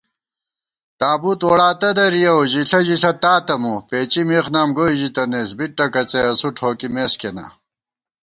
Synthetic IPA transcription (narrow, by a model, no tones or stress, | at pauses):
t̪aːbuːt̪wɐɽaːt̪ɐd̪ɐɾijɐwʑiɬɐʑisɐt̪aːt̪ɐmupeːt͡ɕimeːxnaːmɡoːiʑit̪ɐneːsbiʈ̚ːɐkɐt͡seɐsuʈʰoːkimeːskena̰